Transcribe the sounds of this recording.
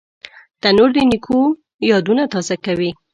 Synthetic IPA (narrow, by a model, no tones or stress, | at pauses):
t̪anoɾd̪ənikʰo | jɑd̪unat̪ɑzakawi